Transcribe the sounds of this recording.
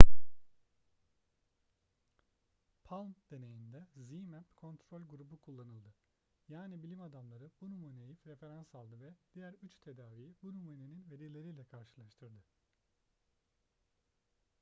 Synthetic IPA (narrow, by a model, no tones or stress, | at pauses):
pʰalˠmd̪̥e̞ne̞jind̪ɛzimæpkʰo̞nt̪ɾo̞lʲɡuɾubukʰulˠːanɯlˠd̪ɯ | jaːnibilʲimad̪amlˠaɾɯbunumanejifɾe̞fe̞ɾansalˠd̪ɯvɛd̪̥ijæɾyt͡ʃt̪ʰe̞d̪aːvijibunumaneninve̞ɾilʲe̞ɾiːlʲɛkʰaɾʃɯlˠaʃt̪ʰɯɾd̪ɯ